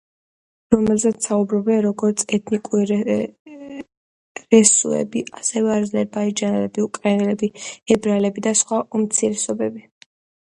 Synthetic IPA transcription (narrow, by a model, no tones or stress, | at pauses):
ɾɔmɛlzɛt̪saubɾɔbɛnɾɔɡɔɾt̪sʰɛt̪ʰnikʼuɾi | ɾɛsṵɛ̰biʔasɛvɛaɾd̪zlɛbaid͡ʒanɛlɛbiukʼɾɛnɛlɛbiɛbɾalɛbid̪asχwaʔumt̪sʰiɾɛsɔbɛbi